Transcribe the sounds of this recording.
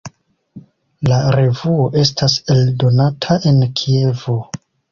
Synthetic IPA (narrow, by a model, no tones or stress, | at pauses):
laɾe̞vuo̞ʔe̞stʰase̞ldo̞natʰaʔe̞nkʰie̞vo̞